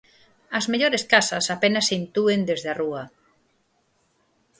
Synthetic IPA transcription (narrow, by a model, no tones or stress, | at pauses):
ɐzmeʎoɾeskasɐsapenɐsint̪uend̪ezðearuɐ